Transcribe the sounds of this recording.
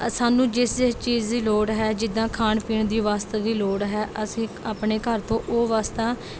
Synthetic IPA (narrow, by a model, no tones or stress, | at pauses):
saːnũːd͡ʒɪst͡ʃiːd͡ʒd̪iːloːɽɦɛːd͡ʒɪd̪ãːkʰaːɳpiːɳd̪iːʋaːst̪aːd̪iːloːɽɦɛːʔəsĩːaːpɳeːkəɾt̪õːʔoːʋaːst̪aː